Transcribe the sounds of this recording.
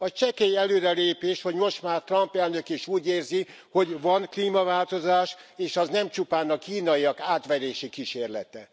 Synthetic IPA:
ɒt͡ʃɛkeiɛløːɾɛleːpeːʃhoɟmo̞ʃt̪maːrt̪rɒmpɛlnøkiʃuːɟeːrzi | ho̞ɟvɒnkliːmɒvaːlt̪o̞zaːʃeːʃɒznɛmt͡ʃupaːnɒkiːnɒiɒkaːt̪ʋɛɾeːʃikiʃeːrlɛ̰t̪ɛ

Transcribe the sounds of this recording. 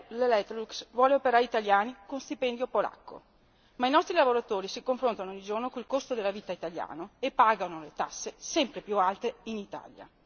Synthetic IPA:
lelɛt̪ːluksvwɔːleopeɾaːɾiːt̪aljaːnikonst̪ipɛnd̪jopola̰kːo̰ | mainɔst̪ɾilavoɾat̪oːɾisikoɱfɾont̪anoɔɲːid͡ʒornokoilkost̪od̪elːaviːt̪ait̪alja̰ːnoepːaːɡanolet̪asːesɛmpɾepjualt̪einit̪a̰lja̰

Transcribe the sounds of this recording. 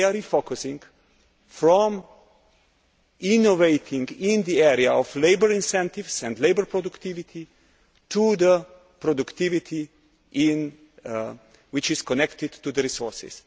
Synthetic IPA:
əɾifokʊsɪ̃ŋɡ | fɹɔ̃m | ɪnoveɪt̪ʰɪ̃ŋɡɪ̃nðiɛɹiaɔfleɪbəɹɪ̃nsɛ̃nt̪ɪvsɛ̃nd̪leɪbə˞pɹɔdʊkt̪ɪvɪt̪ʰi | tʰuðə | pɾɔdukt̪ɪvɪt̪ʰi | ʔɪ̃n | wɪt͡ʃɪz̥kʰɔnɛktɪd̪tuðəɾisɔɹsɪ̰s

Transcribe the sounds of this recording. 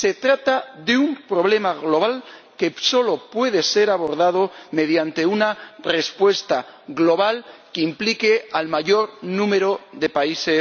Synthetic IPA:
se̞t̪ɾat̪aðeumpɾo̞βle̞maɣlo̞β̞alke̞so̞lo̞pwe̞ð̞e̞se̞ɾaβo̞ɾðað̞ome̞ðjant̪e̞unare̞spwe̞st̪aɣlo̞β̞alkeimplike̞almaʝo̞ɾnũme̞ɾoðe̞paise̞

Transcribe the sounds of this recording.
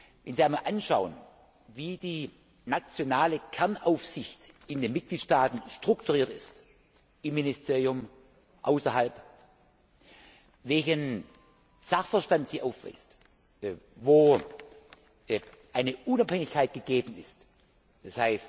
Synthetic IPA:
vɛnziaɪmalʔanʃaʊən | viːdiː | nat͡sjonaːləkʰɛɐnaʊfsɪçt | ɪndeːnmɪt̚ɡ̥liːtʃtaːtn̩ʃtʁ̥ʊktuʁiːɐtɪst | ɪmːɪnɪstʰeːʁijʊm | ʔaʊsɐhalp | vɛlçən | z̥aχfəɐʃtantz̥iːʔaʊfv̥a̰ɪst | voː | ʔaɪnəʔunaphɛŋɪçkʰaɪt̚ɡ̥əɡeːbn̩ɪ̰st | d̥ashaɪst

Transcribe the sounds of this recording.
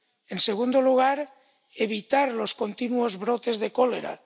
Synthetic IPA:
e̞nseɣ̞und̪oluɣ̞aɾ | e̞β̞it̪aɾlo̞sko̞nt̪inuo̞zβɾot̪e̞zðe̞kole̞ɾa̰

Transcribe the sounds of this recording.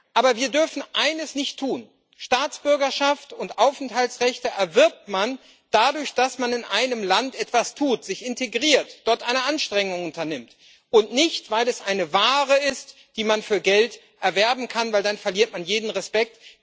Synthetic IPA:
ʔaːbɐviːɐdʏɐfn̩ʔaɪnəsnɪçtʰːuːn | ʃtaːt͡sb̥ʏɐɡɐʃaftʊntʔaʊfɛnthaltsʁɛçtəʔɛɐvɪɐp̚tman | d̥adʊɐçd̥asmanɪnʔaɪnəmlantʔɛtv̥astʰuːtz̥ɪçɪnteɡʁiːɐtd̥ɔɐtʔaɪnəʔanʃtʁ̥ɛŋʊŋʊntɐnɪmt | ʔʊntnɪçtv̥aɪlɛsʔaɪnəvaːʁəɪst | d̥iːmanfyːɐɡɛlt | ʔɛɐvɛɐbm̩kʰanvaɪldanfɛɐliːɐt̚manjeːdn̩ʁɛspɛk̚t

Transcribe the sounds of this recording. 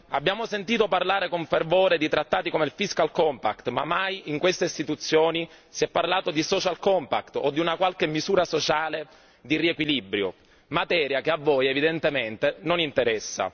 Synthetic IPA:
abːjaːmosent̪iːt̪oparlaːɾekoɱfervoːɾed̪it̪ɾat̪ːaːt̪ikomeilfiskalkɔmpa̰kt̪mamːajiŋkwest̪eist̪it̪ut̪sːjoːni | siɛpːarlaːt̪od̪isɔt͡ʃalkɔmpakt̪o̰d̪ːiunakwalkemːizuːɾasot͡ʃaːle | d̪iriekwilibɾjo̰ | mat̪ɛːɾjakeavːoːjevid̪ent̪ement̪enonint̪eɾɛsːa̰

